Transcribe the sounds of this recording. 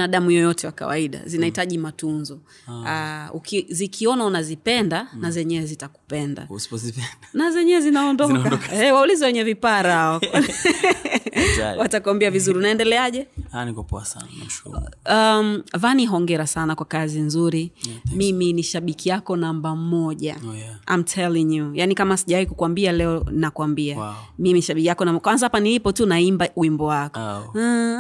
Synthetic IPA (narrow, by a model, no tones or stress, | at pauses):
aɗamujɔjɔtɛwaka̰wa̰iɗa̰zinahitaʄimatunzɔ | aukizikʰiɔnaunazipɛndanazɛɲɛɛzitaku̥pɛnda̰usi̥pɔzipɛndanazɛɲɛɛzinaɔndɔkaɔkɛwaulizɛwɛɲɛvipaɾaa | watakwambiavizuɾiunaɛndɛlɛaʄɛhanikɔpɔ̰a̰sa̰naakṵamvaniɦɔŋɡɛɾasanakwakazinzuɾimiminiʃaɓikijakɔnambam̩mɔʄaa̰jmtʰɛliŋjujanikamasiʄawaikukwambialɛɔnakwambiamimiʃaɓikijakɔnambkwanzaapanilipɔtunaimbauwimbɔwakɔ